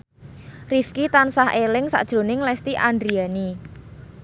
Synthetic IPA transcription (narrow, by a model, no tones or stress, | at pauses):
rifkit̪ansaɦelɪŋsa̰ʔd̥ʒ̥ɾo̤nɪŋlɛst̪iʔandɾiani